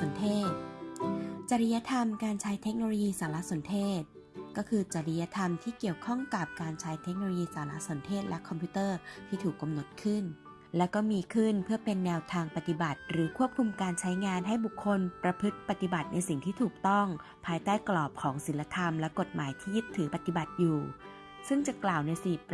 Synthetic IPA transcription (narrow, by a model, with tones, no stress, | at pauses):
so˨˩˦nt̪ʰeː˥˩t̪̚ | t͡ɕa˨˧ɾi˧ja˦˥t̪ʰa˧mkaː˧nt͡ɕʰa˦˥jt̪ʰe˦˥k̚noː˧loː˧jiː˧saː˩˦la˦˥so˩˦nt̪ʰeː˥˩t̪̚ | kɔː˥˩kʰɯː˧t͡ɕa˨˩ɾi˧ja˦˥t̪ʰa˧mt̪ʰiː˥˩ki˨˩əwkʰɔ˥˩ŋka˨˩p̚kaː˧nt͡ɕʰa˦˥jt̪ʰe˦˥k̚no˧oː˧jiː˧saː˩˦la˦˥ʔso˩˦nt̪ʰeː˥˩t̪̚lɛ˦˥kʰːɔ˧mpʰuː˦˥t̪ɤː˥˩t̪ʰiː˥˩t̪ʰuː˨˩kːa˧mno˨˩t̪̚kʰɯ˥˩n | lɛ˦˥kɔː˥˩miː˧kʰɯ˥˩npʰɯ˥˩ɐpe˧nːɛː˧wt̪ʰaː˧ŋpa˨˩t̪i˨˩ba˨˩t̪̚ɾɯː˩˦kʰu˥˩əp̚kʰu˧mkaː˧nt͡ɕʰa˦˥jŋaː˧nɦa˥˩jbu˨˩kʰːo˧npɾa˧pʰɯ˦˥t̪̚pa˨˩t̪i˨˩ba˨˩t̪̚na˧jsi˨˩ŋt̪ʰiː˥˩t̪ʰuː˨˩k̚t̪ɔ˥˩ŋ | pʰaː˧jt̪aː˥˩jklɔː˨˩p̚kʰɔː˩˦ŋsi˩˦nla˧t̪ʰa˧mlɛ˦˥ko˨˩t̪̚maː˩˦jt̪ʰiː˥˩ji˦˥t̪ʰːɯː˩˦pa˨˧˩t̪i˨˩ba˨˩t̪̚juː˨˩ | sɯ˥˩ŋt͡ɕa˨˩klaː˨˩wna˧jsiː˨˩p